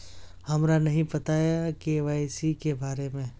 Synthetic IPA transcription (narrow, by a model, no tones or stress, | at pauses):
hɐmɾanɐɦĩpɐt̪aːjakeʋaːjsikebaːɾemẽ